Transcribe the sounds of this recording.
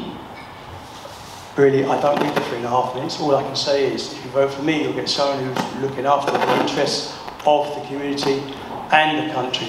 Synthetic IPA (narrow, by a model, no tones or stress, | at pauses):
ɹɪəliʔaɪdə̃ʊ̃nʔid̪ðəfɪ̃nəɦɑˑfmɪnɪtsɔːlaɪkʰə̃n̩seɪɪzɪfjəvəʊtfəmijulˠɡɛtsʌ̃ʊə̃nʉvlʊkɪ̃ŋɑˑftəðiɪ̃nt͡ʃɹ̥ɛst | əvðəkʰəmjʉːnɪtʰi | ʔə̃nðəkʰʌ̃nt͡ʃɹ̥i